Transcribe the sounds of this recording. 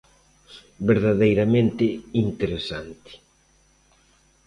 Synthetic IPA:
beɾðaðejɾamẽnt̪ɪint̪eɾesant̪ɪ̥

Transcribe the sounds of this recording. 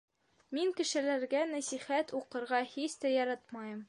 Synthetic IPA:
miŋkɘ̆ʃɘ̆læɾɡænæsiχæt̪uqɤ̆ɾʁɑhist̪æjɒɾɑt̪mɑjɤm

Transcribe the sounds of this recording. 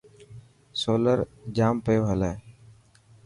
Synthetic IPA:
soːləɾd͡ʒaːmpəjoːɦəleː

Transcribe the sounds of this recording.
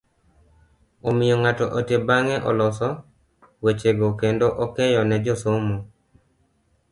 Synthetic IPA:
omɪjɔŋatɔʔotebaŋɛʔɔlɔsɔ | wet͡ʃeɡokendoʔokɛjɔnɛd͡ʒosomo

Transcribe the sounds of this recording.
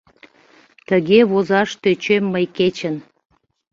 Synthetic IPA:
t̪əɣeβozɑʃt̪øt͡ɕemːəjket͡ɕən

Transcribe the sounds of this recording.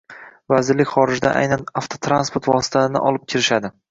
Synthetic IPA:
vazɪɾlɪkʲχɒɾɪd͡ʒd̪a̰ʔa̰jnanaft̪ʰot̪ʰɾanspoɾt̪vɒsɪ̥t̪ʰasɪnɪ̰ʔɒlˠɪp̚kʲʰɪɾɪʃad̪ɪ

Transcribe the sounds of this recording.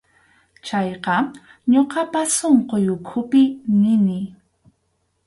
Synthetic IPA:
t͡ʃajqɑ | ɲoqɑpasoɴqojʊkʰʊpɪnɪnɪ

